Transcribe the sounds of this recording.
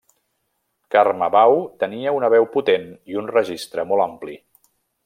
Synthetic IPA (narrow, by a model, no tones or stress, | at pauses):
karməβawt̪əniəunəβɛwput̪eniunrəʒist̪ɾəmɔlˠampli